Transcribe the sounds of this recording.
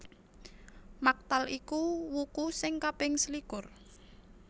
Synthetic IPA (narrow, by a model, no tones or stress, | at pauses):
mak̚t̪alikuwukusɪŋkab̥ɪŋslikʊr